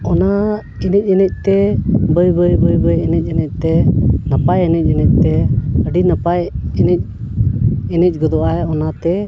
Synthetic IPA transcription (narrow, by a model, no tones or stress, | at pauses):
ɔna | ɛnɛc̚ˀɛnɛc̚ˀt̪ɛbəjbəjbəjbəjɛnɛc̚ɛnɛc̚ˀt̪ɛnəpajɛnɛc̚ˀɛnɛc̚ˀt̪ɛəɖinəpajɛnɛc̚ˀ | ɛnɛc̚ˀɡɔd̪ɔʔajɔnat̪ɛ